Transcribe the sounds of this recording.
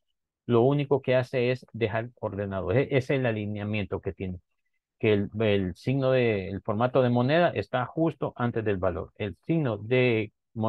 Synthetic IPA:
lo̞uniko̞ke̞ase̞ezd̪e̞xaɾo̞ɾðe̞naðoʔeseːlalinjamje̞nt̪o̞ke̞t̪je̞ne | keelsiɣno̞ðeːlfo̞ɾmat̪o̞ð̞e̞mo̞ne̞ð̞aʔest̪axust̪o̞ʔant̪e̞zðe̞lβalo̞̰ɾe̞lsiɣno̞ðe̞ | mo

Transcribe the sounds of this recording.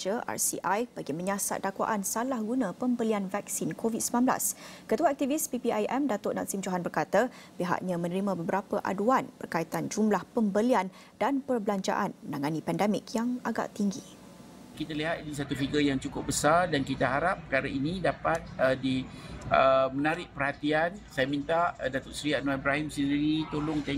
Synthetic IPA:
əʔa̰rsḭʔajb̥aɡiməɲasa̰t̪̚dakwa̰ʔansalahɡunãpəmbəlianvɛk̚sinkovit̪̚səmlanbla̰skət̪uaak̚t̪ivispipiajʔɛmdat̪oʔna̰tsimd͡ʒoɦanbərkat̪a | piɦa̰ʔɲãmə̃nəɾimãbəbəɾapəʔa̰duanb̥ərkait̪and͡ʒumlahpəmbəlian | d̥anpərbəlaɲt͡ʃa̰ʔanmənaŋanipɛndɛmɪkjaŋaɡa̰ʔt̪iŋɡi | kit̪aliɦat̪̚idus̬at̪ufiɡəjaŋt͡ʃukʊp̚bəsardankit̪aɦaɾap̚ːəkaɾainĩdapat̪̚ədiəmənaɾɪʔ̚pərhat̪iansajamint̪adat̪ʊʔsɾianoibɾaɦimsəndiɾit̪olʊŋt̪ɛ

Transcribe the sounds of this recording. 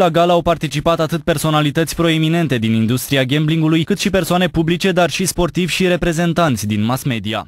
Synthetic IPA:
laɡalawpart̪it͡ʃipat̪at̪ɨt̪̚pe̞rso̞nalit̪ət̪sʲpɾo̞e̞mine̞nt̪e̞d̪inind̪ust̪ɾiaɡʲembliŋɡulujkɨt̪ʃipe̞rsoane̞publit͡ʃe̞d̪arʃispo̞rt̪ivʲʃiɾe̞pɾe̞ze̞nt̪ant̪sʲd̪inmasme̞d̪ia̰

